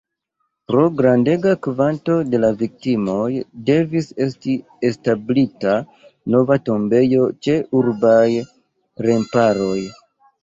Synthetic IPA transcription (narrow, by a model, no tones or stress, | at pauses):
pɾo̞ɡɾande̞ɡakvanto̞de̞lavik̚timo̞jde̞vise̞sti | establita | no̞vato̞mbe̞jo̞t͡ʃe̞ʔuɾbaj | ɾe̞mpaɾo̞j